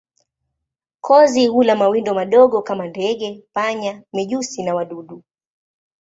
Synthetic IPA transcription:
kʰɔzihulamawindɔmaɗɔɠɔkamandɛɠɛpaɲamiʄusinawaɗuɗu

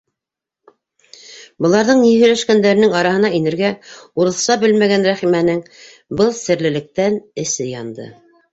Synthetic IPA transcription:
bɤ̆lˠɑɾðɤɴnihɵ̆jlæʃkænd̪æɾɘ̆nɘŋɑɾɑɦɤ̆nɑinɘ̆ɾɡæuɾɤ̆θsɑbɘlmæɡænɾæχimænɘŋ | bɤlˠsɘ̆ɾlɘ̆lɘ̆k̚t̪ænɘ̆sɘjɑnd̪ɤ̰

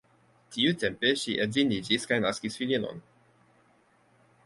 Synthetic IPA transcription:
tiut̪empeʃiʔedzinid͡ʒiskajnaskisfilino̰n

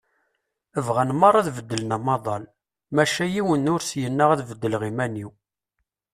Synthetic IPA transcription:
əvʁænmɑɾˤɑðvəd̪ːəlnæmɑðˤɑl | mæʃæjiwənːʊɾsjənːaʁæðvəd̪ːəlʁimæniw

